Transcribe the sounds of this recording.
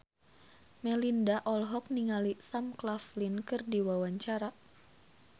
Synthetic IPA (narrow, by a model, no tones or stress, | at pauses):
mɛlindaʔɔlɦɔk̚niŋalisamklaflinkɨrdiwawaɲt͡ʃaɾa